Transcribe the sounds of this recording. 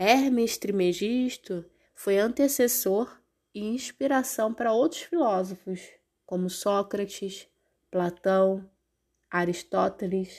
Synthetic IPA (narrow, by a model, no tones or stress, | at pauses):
ɛhmiʃt̪ɾɪmeʒiʃt̪ʊ | fojɐ̃nt̪esesoɾ | ɪĩʃpiɾasɐ̃w̃pɾɐowt̪ɾʊsfilɔzofʊs | kõmʊsɔkɾɐt͡ʃis | plat̪ɐ̃w̃ | aɾiʃt̪ɔt̪elis